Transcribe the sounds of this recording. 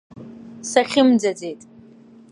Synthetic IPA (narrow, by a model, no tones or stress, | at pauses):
saχʲɪmd͡zad͡ze̞jtʼ